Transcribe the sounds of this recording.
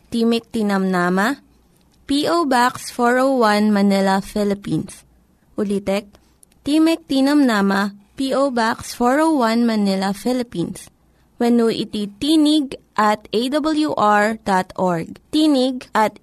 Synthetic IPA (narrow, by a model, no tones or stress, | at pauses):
t̪imɪk̚t̪inɐmnaːmɐ | piʔowbaksfoɹowwanmɐnɛlɐfɪlɪpins | ʔʊlit̪ɛk̚ | t̪imɛk̚t̪inɐmnaːmɐpiʔowbaksfoɹowwanmɐnɪlɐfɪlɪpins | wɛnuʔɪ̰t̪it̪inɪɡʔɐt̪ejd̪ɐbɐljuʔaɹd̪̥at̪ʔoɹɡ̚t̪inɪɡ̚ʔɐt̪